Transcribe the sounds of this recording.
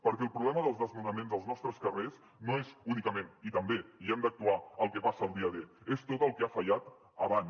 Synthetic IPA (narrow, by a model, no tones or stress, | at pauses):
pəɾkɛəlˠpɾuβlɛməðəlˠzðəzmunəmenzəlˠznɔst̪ɾəskəres | noezunikəmenit̪əmbeiɛmd̪ək̚t̪uaəlˠkɛpasəːlˠd̪iəðeest̪ot̪əlˠkɛafəʎat̪ | əβan